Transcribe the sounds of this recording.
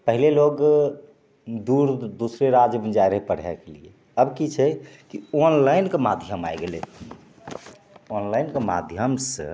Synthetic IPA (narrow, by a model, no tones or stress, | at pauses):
pəɦileloɡ | d̪uɾd̪usɾeɾad͡ʒəbənd͡ʒajɾəɦpəɽ̤ɛ̰kelie | əbkit͡ʃʰɛkionlaɪnkemad̪ʱjəma̰jɡelḛ | onlainkema̰d̪ʱjəmsə̰